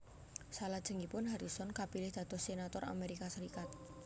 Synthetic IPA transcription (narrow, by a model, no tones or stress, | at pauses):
salad̥ʒ̥ə̤ŋipʊnɦaɾisɔnkapilɪhd̪̥ä̤d̪̥ɔhsenat̪ɔra̰meɾikasəɾikat̪̚